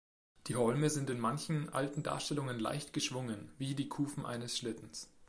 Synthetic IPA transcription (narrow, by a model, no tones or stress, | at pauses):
d̥iːɦɔlməzɪntɪnmançn̩ʔa̰ltn̩da̰ːɐʃtɛlʊŋənla̰ɪçtɡ̥əʃv̥ʊŋənviːdiːkʰuːfm̩ʔa̰ɪnəsʃlɪtn̩s